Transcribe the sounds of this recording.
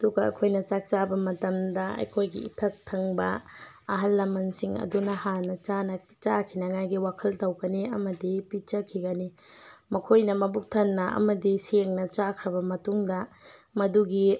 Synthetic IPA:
ɐduɡɐɐ̰kʰojnɐt͡ʃak̚t͡ʃabɐmɐtɐmdɐɐ̰jkʰojɡḭḭtʰɐk̚tʰɐŋbɐɐɦɐlːɐmɐnsiŋɐ̰dunɐhanɐt͡ʃanɐ | t͡ʃakʰinɐŋajɡiwakʰɐltɐwɡɐniɐmɐdipit͡ʃɐkʰiɡɐni | mɐkʰojnɐmɐbuk̚tʰɐnːɐʔɐ̰mɐdiseŋnɐt͡ʃakʰɾɐbɐmɐtuŋdɐmɐduɡi

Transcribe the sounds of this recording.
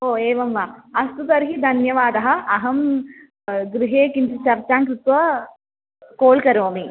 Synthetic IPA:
oːeːʋɐmʋaːɐst̪ut̪ɐɾɦid̪ʱɐnjɐʋaːd̪ɐɦɐ̆ɐɦɐm | ɡɾiɦeːkint͡ʃit͡ʃɐɾt͡ʃaːŋkɾit̪ʋɐ | koːlkɐɾoːmi

